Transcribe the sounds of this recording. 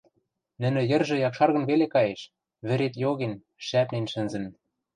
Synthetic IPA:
nɘ̆nɘ̆jɘ̆rʒɘ̆jɑkʃɑrɣɤ̆nβelekɑjeʃ | βɘ̆ɾet̪joɣen | ʃæpnenʃɘ̆nzɘ̆n

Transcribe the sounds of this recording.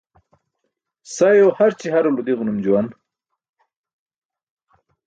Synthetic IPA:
sajohaɾt͡ɕihaɾulud̪iɣnumd͡ʑuwan

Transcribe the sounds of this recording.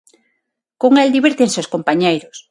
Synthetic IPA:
koŋeld̪iβeɾt̪ẽnsewskompaɲejɾos

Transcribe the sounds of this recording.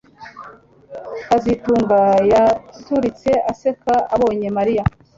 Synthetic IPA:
kazituːŋɡajatuɾit͡se̞ʔase̞kaaβo̞ːɲe̞maɾija

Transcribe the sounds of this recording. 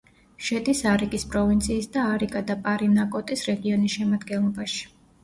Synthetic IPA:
ʃɛd̪ʼisaɾikʼispʼɾɔvint̪sʰiːsd̪aːɾikʼad̪apʼaɾinakʼɔt̪ʼisɾɛɡiɔnisʃɛmad̪ɡɛnlˠɔbaʃi̥

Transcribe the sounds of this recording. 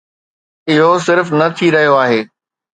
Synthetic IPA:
ɪɦosɪɾfnɐt̪ʰiɾɐɦijoaːɦeː

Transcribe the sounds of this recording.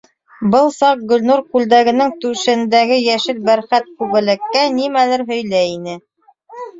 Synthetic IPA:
bɤlˠsɑq̚ɡɵ̆lnuɾkʉld̪æɡɘ̆nɘŋt̪ʉʃɘ̆nd̪æɡɘjæʃɘlbæɾχæt̪̚kʉβɘ̆lɘ̆kːænimælɘɾɦɵ̆jlæinɘ

